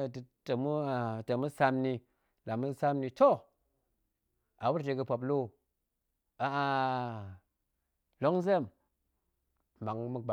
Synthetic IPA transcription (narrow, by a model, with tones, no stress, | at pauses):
ttə˨mu˦˨tə˨mu˦sa˧mni˧ | la˨mu˦sa˦mni˧to˦ | a˨wu˦ɾte˨kɨ˧po˨p̬lo˦˨ | a˨a˧ | lo˦ŋzə˦˨m | ma˨ŋmu˦ɡ͡ba˨